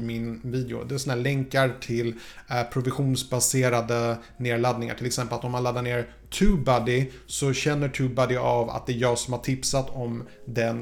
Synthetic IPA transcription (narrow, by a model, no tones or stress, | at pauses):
mɪnviːd̪ɛʊ̰d̪ɛɛsɔnaæːɭɛŋkaɾʈʰɪlːpʰɾʊvɪɧuːnsbaseːɾad̪ə | neːɭad̪̚nɪŋa̰ʈʰɪlɛksɛmpəlat̪ɔmanlad̪ːaɳeːɾ | t̪ʰʉːbad̪ɪ | sɔɕɛnːəʈʰʉːbad̪ɪava̰t̪̚d̪ɛːɾjɑːɡsɔmhaʈʰɪpsat̪ʰːɔmd̪ɛn